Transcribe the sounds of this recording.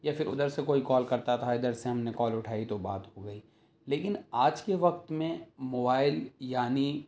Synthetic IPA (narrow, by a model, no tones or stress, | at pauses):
jafɪɾʊ̰d̪əɾsekoːikɔːlkɐɾt̪at̪ʰaɪd̪əɾseɦɐmnekɔːlʊʈʰaːit̪oba̰ːt̪ɦoɡɐiː | leːkɪnaːd͡ʒkeʋɐk̚t̪mẽmoːbaːɪljaːni